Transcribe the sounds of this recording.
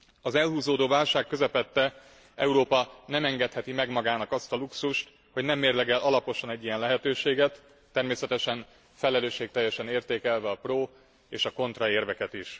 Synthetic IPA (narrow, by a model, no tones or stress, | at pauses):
ɒzɛlɦuːzoːd̪oːvaːlʃaːkːøzɛpɛt̪ːɛ | ɛ̰uɾoːpɒnɛmɛŋɡɛt̪hɛt̪imɛɡmɒɡaːnɒkɒst̪ɒluksuʃt̪ | ho̞ɟnɛmːeːrlɛɡɛlʔɒlɒpo̞ʃɒnɛɟːijɛnlɛɦɛt̪øːʃeːɡɛt̪ː | ɛrmeːsɛt̪ɛʃɛn | fɛlɛløːʃːeːk̚t̪ɛjːɛʃɛneːrt̪eːkɛlvɛɒproː | eːʃɒko̞nt̪rɒeːrvɛkɛt̪iʃ